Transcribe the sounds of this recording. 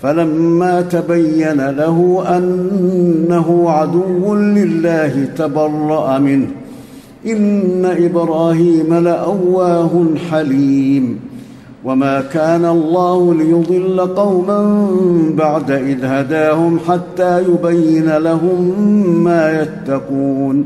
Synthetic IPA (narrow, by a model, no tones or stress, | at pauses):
falamːaːt̪abajːanalaɦʊʔanː | aɦʊʕad̪ʊwːʊnlɪlːaːhɪt̪abɑrˤːɑʔamɪnh | ʔɪnːaʔɪbɾɑːhiːmalɪʔawːaːɦʊnħaliːm | wamaːkaːnalˤːɑːhʊlɪjʊd̪ˤɨlːaqɑwmambaʕd̪aʔɪðhad̪aːhʊmħat̪ːaːjʊbajːɪnalaɦʊmːaːjat̪ːɑquːn